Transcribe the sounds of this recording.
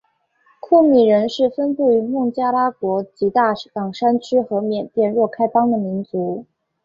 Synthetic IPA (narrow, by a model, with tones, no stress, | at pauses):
kʰu˥˩mi˨˩ɻə˧˥nʂɻ̩˥˩fə˥npu˥˩y˧˥mʊ˥˩ŋt͡ɕja˥la˥kwɔ˧˥t͡ɕi˧˥t̪a˥˩kɑ˨˩ŋʂa˥nt͡ɕʰy˥xɤ˧˥mjɛ˨˩nt̪jɛ˥˧nɻwɔ˥˩kʰa˥ɪfɑ˥ŋd̪ə˨mi˧˥nt͡su˧˥